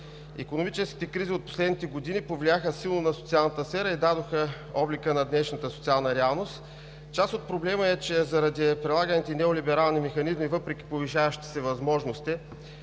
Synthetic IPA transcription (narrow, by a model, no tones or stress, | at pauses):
ḭkonomit͡ʃɛsk̟i̥t̪ɛkɾiziot̪̚po̥slɛd̪nit̪ɛɡod̪inipovliaxəsilˠnonɐsot̪sialˠnət̪əsfɛɾəid̪ad̪oxə | ɔblikənɐd̪nɛʃnət̪əsot̪sialˠnəɾɛalˠnost̪ | t͡ʃasot̪̚pɾoblɛməɛt͡ʃɛzɐɾɐd̪ipɾɛlˠaɡənit̪ɛnɛolibɛɾalˠnimɛxɐnizmivɤpɾɛk̟ʲi̥poviʃavəʃt̪i̥sɛvɐzmɔʒnost̪i